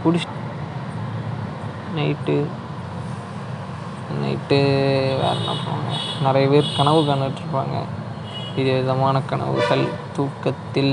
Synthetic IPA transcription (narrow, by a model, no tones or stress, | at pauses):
kʊɽɪʂ | nɐɪʈːɯ | nɐ̰ɪʈːɯʋḛːɾɐ̰nɐ̰ːpːoːŋɡɐ̰nɪɾɐjɐpeːɾkɐɳɐʋɯkɐnɯʈːɪɾɯpːa̰ːŋɡɐ̰ | ɪðɯʋɪðɐmaːnɐkɐɳɐ̰ʋɯ̰ɣɐl | t̪uːkːɐt̪ːɪl